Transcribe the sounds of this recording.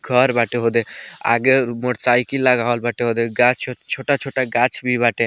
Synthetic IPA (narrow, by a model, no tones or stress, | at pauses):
ɡʱɔɾbaʈeɦod̪ea̰ɡemoʈsajkilaɡaɦɔlbaʈeɦod̪eɡat͡ʃʰoʈat͡ʃʰoʈaɡat͡ʃʰbibaʈe